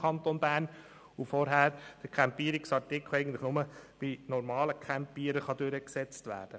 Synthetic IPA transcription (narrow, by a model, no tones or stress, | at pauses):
kʰɑnt̪onbæːn | ufɔɾɦæːɾd̥əkʰæmpiːəɾiksɑɹtikʰl̩ɛɪɡən̩tlɪχnʊməbinɔɾmɑːləkʰæmpiːəɾəχɑdøɾəksɛt͡stvæ̰ːɾd̥ə